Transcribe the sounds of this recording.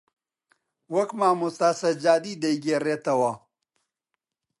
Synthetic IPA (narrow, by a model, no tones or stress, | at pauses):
wɐkmaːmust̪aːsɐd͡ʑaːd̪iːd̪ɐjɡeɾet̪ɐwa